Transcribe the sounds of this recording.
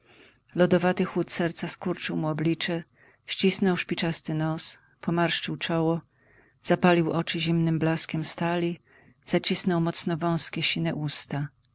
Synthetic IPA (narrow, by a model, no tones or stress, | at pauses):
lɔd̪ɔvat̪ɘxwut̪sɛɾt̪saskuɾt͡ʂɘwmuɔblʲit͡ʂɛ | ɕt͡ɕisnɔwʂpʲit͡ʂast̪ɘnɔs | pɔmaɾʂt͡ʂɘwt͡ʂɔwɔ | z̥apalʲiwʔɔt͡ʂɘʑimnɘmblaskʲɛmst̪alʲi | z̥at͡ɕisnɔwmɔt̪snɔvɔ̃w̃skʲɛɕinɛʔust̪a